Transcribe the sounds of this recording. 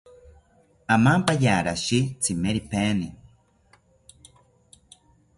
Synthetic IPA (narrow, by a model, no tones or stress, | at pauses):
amampajaːɾaʃit͡sʰimeɾipeni